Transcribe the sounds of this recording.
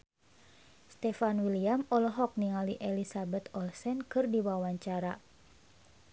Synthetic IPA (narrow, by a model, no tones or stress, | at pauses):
st̪ɛfanwiliamɔlɔɦɔk̚niŋaliʔelisabɛt̪ɔlsɛnkɨrdiwawaɲt͡ʃaɾa